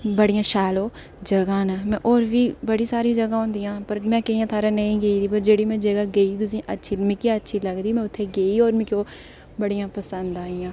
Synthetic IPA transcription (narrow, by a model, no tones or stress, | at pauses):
bəɽijãːʃaːloː | d͡ʒəɡãːnamɛ̃ːʔoːɾʋiːbəɽiːsaːɾid͡ʒəɡãːɦõːnd̪ijãːpəɾmɛ̃ːkəijãːt̪ʰaːɾãːnəĩːɡəiːd̪iːpəɾd͡ʒeːɽiːmɛ̃ːd͡ʒəɡaːɡəiːiːt̪ʊsĩːʔətːʃʰiːmɪkeətːʃʰiːləɡd̪iːmɛ̃ːʊt̪ʰːeːɡeːioːɾmɪkoː | bəɽijãːpəsənd̪aːijãː